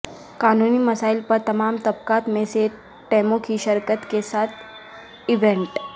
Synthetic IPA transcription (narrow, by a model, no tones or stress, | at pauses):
kanuniːməsailpəɾt̪əmamt̪əb̚kat̪mese | ʈemokʰiːɕəɾkət̪kesat̪ʰ | iʋẽɳʈ